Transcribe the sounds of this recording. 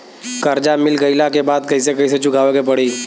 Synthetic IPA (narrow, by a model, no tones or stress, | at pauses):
kɐɾd͡ʒamɪlɡəɪlakebaːd̪kɐisekɐis̬et͡ʃʊkʰaːʋekepɐɽiː